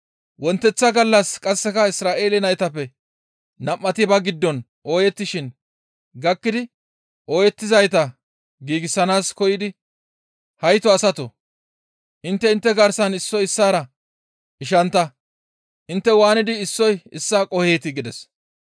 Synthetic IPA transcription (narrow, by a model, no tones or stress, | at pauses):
wɔnt̪ːɛt͡sːɐɡɐlːɐskʼɐsːɛkɐɪsɾaːʔe̞ːlɪnɐjt̪ɐpːɛ | nɐmːɐt̪ɪbɐɡɪd̪ːɔn | ʔo̞ːjɛt̪ːɪʃɪn | ɡɐkːɪd̪ɪ | ʔoːjɛt̪ːɪzɐjt̪̬ɐ | ɡiːɡɪsːɐnaːskɔjɪd̪ɪ | hɐjt̪ɔɐsɐt̪ɔ | ʔɪnt̪ːɛɪnt̪ːɛɡɐɾsɐnɪsːɔjɪsːaːɾɐ | ɪʃ̬ɐnt̪ːɐ | ʔɪnt̪ːɛwaːnɪd̪ɪːsːɔjɪsːaːkʼɔhe̞ːt̪ɪɡɪd̪ɛs